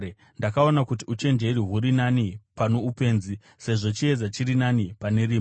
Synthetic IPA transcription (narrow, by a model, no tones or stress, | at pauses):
ndakao̞nakutiut͡ʃe̞nd͡ʒe̞ɾiɦuɾinanipano̞upe̞ːnzi | se̞ʐo̞t͡ʃie̞d͡zat͡ʃiɾinanipane̞ɾiːm